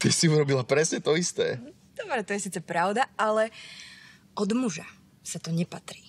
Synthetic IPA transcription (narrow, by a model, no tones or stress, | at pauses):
t̪isiuɾɔbilapɾɛsɲɛt̪ɔist̪ɛː | d̪̥ɔbɾɛt̪ɔjɛsiːt͡sɛpɾaʊd̪aalɛ | ɔd̪muʒa̰ | sat̪ɔɲɛpat̪ɾiː